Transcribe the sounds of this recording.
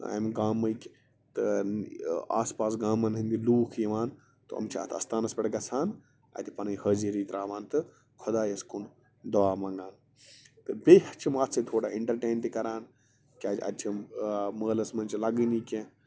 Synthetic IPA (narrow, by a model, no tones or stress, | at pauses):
a̰ːjmɡaːmːɐjkʲ | t̪ɨ | a̰ːspaːsɡaːmːɐnɦind̪iluːkʰjiʋaːn | t̪oɐ̰mt͡ʃʰiɐ̰t̪ʰɐ̰st̪aːnɐspʲɐʈɡɐt͡sʰaːn | ɐ̰t̪ipɐnɐjhəziɾiːt̪ɾaːʋaːnt̪ɨ | kʰod̪aːjɐskun | d̪ɐʋaːmɐ̃ŋɡaːn | t̪ɨbʲeɦɐt͡ʃʰimat̪sʰɐt̪ʰoːɽaːiɳʈɐɾʈeːnt̪ikɐɾaːn | kʲaːd͡ʒɐ̰t̪t͡ʃʰiməːlɐsmɐnʲt͡ʃilɐɡɨnikʲẽ